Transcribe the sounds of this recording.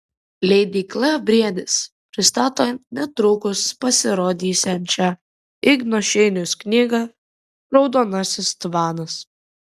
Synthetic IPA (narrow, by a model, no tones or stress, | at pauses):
lʲɛɪd̪ʲiːklˠɐbʲɾʲiɛd̪ʲɪs | pʲɾʲɪst̪ɑːt̪oːnʲɛt̪ɾʊːkʊspɐsʲɪɾoːd̪ʲiːsʲɛmʲt͡ʃʲɛ | ɪɡnɔʃʲɛɪnʲʊsknʲiːɡɐ | ɾɒʊd̪oːnɐsʲɪst̪ʋɑːnɐs